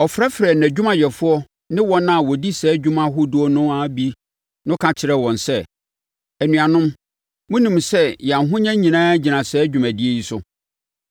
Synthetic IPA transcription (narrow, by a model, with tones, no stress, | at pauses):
ɔ˨fɾa˦fɾɛ˨n˨æ˨d͡ʑᶣu˦mã˨jɛ˨fʊ˦ɔ˦ | nɪ̃˦wɔ̃˦nã˦˨wɔ˨di˦sɛː˨˦d͡ʑᶣu˦mã˦ɦʊ˦dʊ˦ɔ˦nʊ̃˦a˦bi˦ | nʊ̃˦kʰã˨t͡ɕʰɪ˨ɾɛ˦wɔ̃˨nsɛ˦˨ | æ˨nũ˨ã˨nʊ̃˦m | mʊ̃˦nĩ˨msɛ˦jɛ˨a˨ɦʊ̃˦ɲã˦ɲĩ˨nãː˦ɲi˨nã˨sɛː˨˦d͡ʑᶣu˨mæ̃˨dɪ˦e˦˨ji˦sʊ̰˦